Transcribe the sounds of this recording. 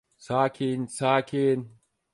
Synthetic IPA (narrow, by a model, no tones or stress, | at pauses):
saːkʰiːnsaːkʰeːn